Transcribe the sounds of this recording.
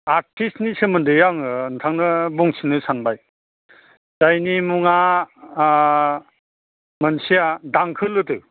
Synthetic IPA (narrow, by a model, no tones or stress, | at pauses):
aɾtʰistnisɯmɯndɯjaŋntʰaŋnɯbɔŋsʰinɯsanbaj | z̥ajnimuŋa | mənsijadaŋkʰɯlɯtɯ